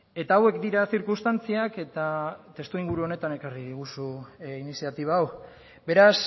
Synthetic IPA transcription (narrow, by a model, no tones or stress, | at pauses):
e̞t̪aːwe̞kd̪iɾasiɾkust̪ant͡siake̞t̪at̪e̞st̪uiŋɡuɾuo̞ne̞t̪ane̞kariðiɣ̞usuinisiat̪iβ̞aːw | be̞ɾas